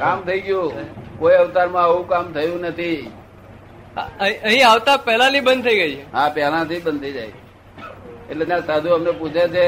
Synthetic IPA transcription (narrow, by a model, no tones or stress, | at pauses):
kamt̪ʰəiɡjũkoiəʋt̪aɾmãəʋũkamt̪ʰəjũnət̪ʰi | a̰ĩəɦĩaʋt̪apɛɦlanibənd̪̚t̪ʰəiɡəit͡ʃʰeɦãpɛɦlãt̪ʰibənd̪t̪ʰəid͡ʒajʰe | eʈled͡ʒãsad̪ʱũəmnepud͡ʒʰet͡ʃʰe